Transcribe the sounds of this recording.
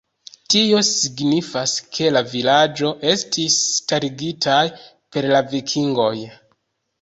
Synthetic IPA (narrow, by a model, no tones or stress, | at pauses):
tio̞siɡnifaskʰe̞lavilad͡ʒo̞ʔe̞stʰistaɾiɡitʰaj | pe̞ɾlavikʰiŋɡo̞j